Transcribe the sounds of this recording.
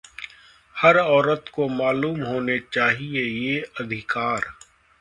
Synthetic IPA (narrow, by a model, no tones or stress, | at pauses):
hɐɾɔːɾət̪komaːluːmɦoːnet͡ʃaːɦiejeɐd̪ʱɪkaːɾ